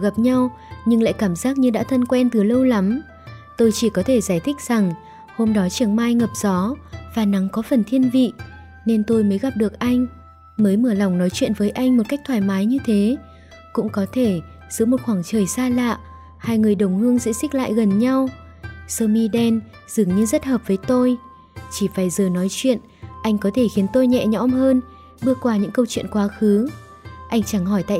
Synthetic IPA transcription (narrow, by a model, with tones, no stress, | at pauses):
ɣa˨˩p̚ɲa˧w | ɲɨ˧ŋla̰ː˧˨jkaː˧˩mzaː˦˥k̚ɲɨ˧ɗa̰ː˧˥t̪ʰə˧nkwɛ˧nt̪ɨ˨˩lə˧wla˨˦m | t̪o˧jt͡ɕi˧˩kɔ˨˦t̪ʰe˧˩zaː˧˩jt̪ʰï˦˥k̚z̥a˨˩ŋ | ho˧mɗɔ˨˦t͡ɕɨ˧˨˩əŋmaː˧jŋə˨˩p̚z̥ɔ˨˦vaː˨˩na˨˦ŋkɔ˨˦fə˨˩nt̪ʰi˧ənvḭ˧˨ | ne˧nt̪o˧jməː˨˦jɣa˨˩p̚ɗɨ˨˩ək̚ʔa˧jŋ̟ | məː˨˦jməː˧˩la˨˩wŋ͡mnɔ˨˦jt͡ɕwḭ˧˨nvəː˨˦jʔa˧jŋ̟mo˨˩t̚ka˦˥jk̚t̪ʰwaː˧˨˩jmaː˨˦jɲɨ˧t̪ʰe˨˦ | kʊ̰˧˥ŋ͡mkɔ˨˦t̪ʰe˧˩ | z̥ɨ̰˧˥mo˨˩t̚xwaː˧˩ŋt͡ɕəː˨˩jsaː˧la̰ː˧˨ | haː˧jŋɨ˨˩əjɗə˨˧˩wŋ͡mhɨ˧əŋsɛ̰˧˥si˦˥k̟̚la̰ː˧˨jɣə˨˩nɲa˧w | səː˧mi˧ɗɛ˧n | z̥ɨ˨˩əŋɲɨ˧zə˦˥t̚həː˨˩p̚vəː˨˦jt̪o˧j | t͡ɕi˧˩faː˧˩jzəː˨˩nɔ˨˦jt͡ɕwḭ˧˨ən | ʔa˧jŋ̟kɔ˨˦t̪ʰe˧˩xi˨˦ənt̪o˧jɲɛ̰˧˨ɲɔ̰˧˥mhəː˧n | ɓɨ˧əkwaː˧˩ɲɨ̰˧˥ŋkə˧wt͡ɕwḭ˧˨ənkwaː˨˦xɨ˨˦ | ʔa˧jŋ̟t͡ɕa˧˩ŋɦɔ˧˩jt̪a̰ː˧˨